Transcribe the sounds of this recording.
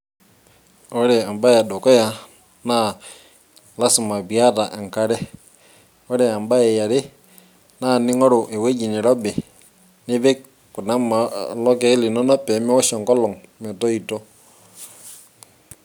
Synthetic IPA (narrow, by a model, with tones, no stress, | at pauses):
ɔ˦ɾɛ˨a˨mba˦ja˨ɗɔ˨kɔ˦ja˨ | na˦˨ | la˦sɪ˨ma˨bi˨a˦ta˨ʔɛ˨ŋka˦ɾɛ˦ | ɔ˦ɾɛ˨a˨mba˦ɛ˨ja˨ɾɪ˦ | na˦˨nɪ˦ŋɔ˦ɾʊ˨ʔe˨we˦d͡ʒi˨ni˨ɾɔ˦bɛ˨ | nɪ˦βe˦ | ku˨na˦ma˨lɔ˦kɛ˦li˨nɔ˦nɔ˦pɛ˨˦mɛ˦wɔ˦ʃɔ˨ŋkɔ˦lɔ˨ŋmɛ˨tɔ˦i˨tɔ˦